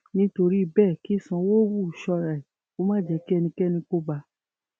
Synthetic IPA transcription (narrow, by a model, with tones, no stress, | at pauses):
nĩ˧˦to˧ɾi˦i˧˨˧bɛː˦˨ki˦˨sã˧wo˦wu˦˨ʃɔ˧ɾa˨i˨ | o˦mãː˦˨d͡ʒɛ˨˧˦ki˦ɛ˧nĩ˧kɛ˦nĩ˧ko˧ɡ͡ba˧˦